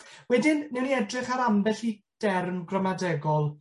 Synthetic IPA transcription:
wɛdɪnːɛwniɛdrɪχaɾambɛɬi | d̥ɛrmɡrəmadɛɡɔlˠ

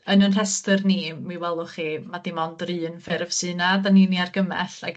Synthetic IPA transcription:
ənənr̥ɛstɨrnimiwɛlˠʊχimadimɔndrɨːnfɪɾəvsɨnadaniːniarɡəmɛ̰ɬaɡ

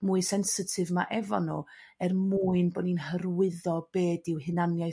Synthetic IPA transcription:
muɨsɛnsɪtʰɨvmaʔɛvɔnuɛrmuːɨnbɔdninɦərwɪðɔb̥eːdɪwhɨnanjaj

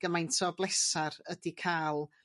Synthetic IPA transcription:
ɡ̥əmajntʰɔblˠɛsaɾədikʰaːlˠ

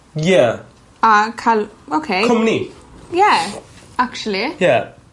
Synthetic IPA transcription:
jæ | ʌkʰaloʊkʰeɪkʰʌ̃mnijæ | æk̚t͡ʃl̩ijæ

